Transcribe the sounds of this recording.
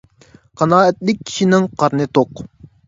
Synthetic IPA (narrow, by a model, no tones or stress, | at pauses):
qʰɑnɑːɛt̪lɪk̚ʲʰːi̥ʃinɪŋqʰɑɾnɨt̪oq